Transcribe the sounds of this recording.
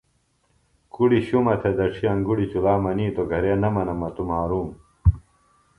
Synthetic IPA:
kuɽiɕumɐt̪ʰed̪ɐʈ͡ʂʰiɐŋɡuɽit͡ɕulaːmɐniːt̪oɡʱɐɾeːnɐmɐnɐmɐt̪umaːɾuːm

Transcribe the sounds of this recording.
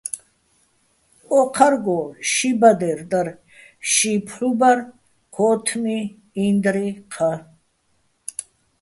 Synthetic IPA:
ɔqʰaɾɡɔʃibad̪ɛɾd̪aɾ | ʃipʰlubaɾ | kʰɔt̪ʰmiː | nd̪ɾiqʰa

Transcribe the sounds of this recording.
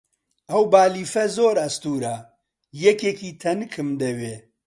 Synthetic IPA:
ɐwbaːliːfɐzoːɾɐst̪uːɾɐ | jɛkeːkiːt̪ʰɐnɨkʰɨmd̪ɐweː

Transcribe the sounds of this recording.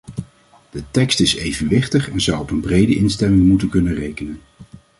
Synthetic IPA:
d̥ətɛkstɪsejvənʋɪχtəχɛnzʌwɔpənbrejdəʔɪnstɛmɪŋmutənkɵnərejkənən

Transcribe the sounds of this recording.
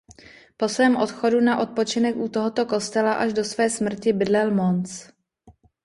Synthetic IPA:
po̞svɛːmʔo̞t̪xo̞dunaʔo̞t̪̚po̞t͡ʃɪnɛkʔut̪oɦo̞t̪o̞ko̞st̪ɛlaʔaʒdo̞svɛːsmr̩cɪbɪdlɛlmont͡s

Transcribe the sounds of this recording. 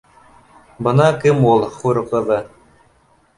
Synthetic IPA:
bɤ̆nɑkɘmulˠχuɾqɤ̆ðɤ

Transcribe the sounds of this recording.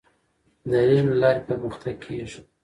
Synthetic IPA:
d̪əɾenlɑɾepəɾməxt̪ʰaɡ̚kʰeʒ

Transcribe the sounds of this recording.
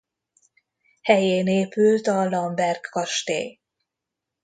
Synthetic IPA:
hɛjeːneːpylt̪ɒlɒmbɛrkːɒʃt̪ḛː

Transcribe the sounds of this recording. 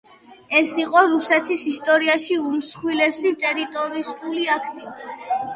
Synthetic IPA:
ɛsiqʼɔɾusɛt̪ʰisist̪ʼɔɾiaʃiumsχwilɛsit̪ʼɛɾit̪ʼɔɾist̪ʼuliakʰt̪ʼi

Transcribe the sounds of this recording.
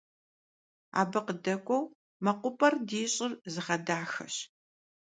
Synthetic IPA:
a̰ːbɐqədɐkʷʼɔw | mɐqʷʊpʼɐrdiːɕʼɪrzɨʁɐdaːxɐ̰ɕ

